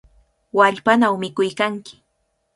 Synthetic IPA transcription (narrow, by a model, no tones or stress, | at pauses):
waʎpanawmɪkʊjkaŋkɪ̥